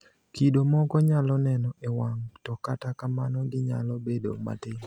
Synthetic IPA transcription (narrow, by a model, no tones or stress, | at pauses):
kidomɔkɔɲalɔnɛnɔʔewaŋtɔkatakamanɔɡɪɲa̰lɔbedo̰ma̰tɪ